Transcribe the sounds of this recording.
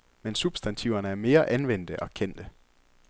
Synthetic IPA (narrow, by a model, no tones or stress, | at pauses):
mensub̥sd̥ænt͡sʰiʊ̰ɐnəæɐme̝ːɐʔænʋen̰d̥əʔɒ̽kʰen̰d̥ə